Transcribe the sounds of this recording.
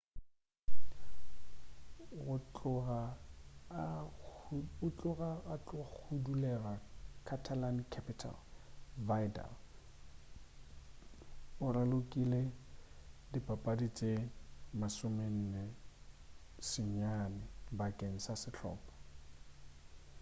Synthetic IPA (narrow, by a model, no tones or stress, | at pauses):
ɣʊt͡ɬʼʊɣa | ʊt͡ɬʼʊɣaat͡ɬʼʊk͡xʰudulɛrakʰatʰalankʰɛpʰɪtʰa̰lvajda̰l | ʊralʊkʼile | dipʼapʼadit͡sʼemasʊmen̩ne | sɪɲanɪbakʼeŋ̩sasɪt͡ɬʰɔ̰ːpʼḁ